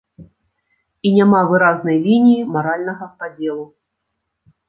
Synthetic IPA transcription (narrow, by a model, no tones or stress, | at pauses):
inʲamavɨɾaznɐjlʲinʲijimaɾalʲnɐɣɐpad͡zʲɛlˠu